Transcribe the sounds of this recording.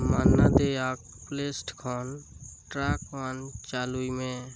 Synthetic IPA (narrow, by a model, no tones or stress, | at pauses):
maːnːad̪eaːk̚ | pleːsʈkʰɔːnʈɾaːkʋaːnt͡ʃaːluimẽ